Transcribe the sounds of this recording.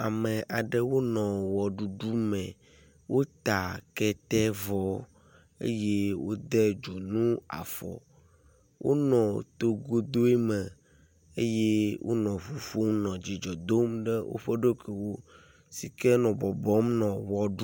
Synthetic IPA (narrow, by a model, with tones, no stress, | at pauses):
a˨mɛ̃˨ʔa˨ɖɛ˦wo˦nɔ̃˨wɔ˨ɖu˨ɖu˦mɛ̃˨ | wo˦t̪a˨kɛ˦t̪ɛ˦vɔ˦ | ḛ˦je˦wo˦d̪ɛ˦d͡ʒo˨nũ˦a̰˨fɔ̰˨ | wʔo̰˦nɔ̃˨t̪o˦ɡo˦d̪o˦e˦mɛ̃˨ | ḛ˦je˦wʔo̰˦nɔ̃˨ɸu˨fo˦mnɔ̃˨d͡ʑi˨d͡ʒɔ˨d̪o˦mɖɛ˦wʔo̰˦ɸe˦ɖo˦kʰe˨wo˦ | si˨kɛ˦nɔ̃˨bɔ˨bɔ˦mnɔ̃˨wɔ˨ɖu˦